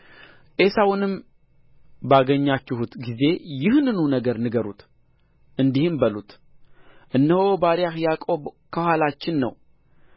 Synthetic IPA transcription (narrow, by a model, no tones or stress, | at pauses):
ʔe̞sawnɨm | baɡəɲːat͡ʃːɪhut̪ɡize̞jɪhnɨnunəɡəɾnɨɡəɾṵt̪ | ʔɨnd̪ihɨmbəlut̪ | ʔɨnːəhobaɾjahjakʼokʰəhʷalat͡ʃːɪnːə̰w